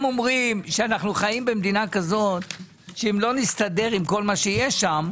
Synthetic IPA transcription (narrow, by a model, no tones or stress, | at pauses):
mo̞mʁimʃeanaχnuχajimbemd̪inakazo̞t̪ | ʃeimlo̞nist̪ad̪e̞ʁimko̞lmaʃejeʃam